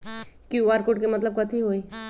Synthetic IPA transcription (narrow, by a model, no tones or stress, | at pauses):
kjuːʋaːɾkoʈ̚kemɐt̪ləb̚kɐt̪ʰiɦoːi